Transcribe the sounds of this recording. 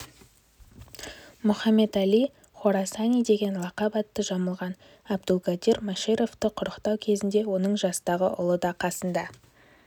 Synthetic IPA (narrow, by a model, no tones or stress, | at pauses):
mʊχɑmːe̞t̪æli | χoɾasanijd̪e̞ɡʲe̞nlˠɑqɑbɑt̪ːəʒɑməlˠʁɑn | ɑb̚d̪ʊlˠɡad̪iɾmaʃeɾo̞ft̪əqʰʊɾəqt̪ɑwkʲʰe̞zɪnd̪e̞wo̞nəɴʒɑsət̪ɑʁəʔʊ̰lˠəd̪ɑqʰɑsənd̪ɑ